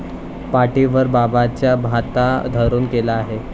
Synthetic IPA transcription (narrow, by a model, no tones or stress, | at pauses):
paʈiʋəɾbabat͡ɕjabʱat̪ad̪ʱəɾuːnkelaːɦe